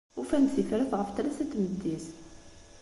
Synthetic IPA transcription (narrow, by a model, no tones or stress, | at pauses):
ufænθifɾəθʁəft̪ɾæsæt̪ːməd̪ːis